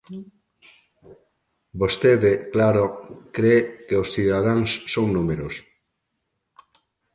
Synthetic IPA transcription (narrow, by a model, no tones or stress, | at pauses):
bost̪eðɪklaɾokɾekeosθiðaðaŋsːownumeɾos